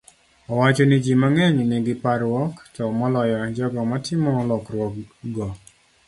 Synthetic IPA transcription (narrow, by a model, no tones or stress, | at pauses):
ɔwat͡ʃonɪd͡ʒimaŋɛɲnɪɡɪpaɾwɔktɔmɔlɔjɔd͡ʒɔɡɔmatʰɪmɔlɔkɾwɔkɡɔ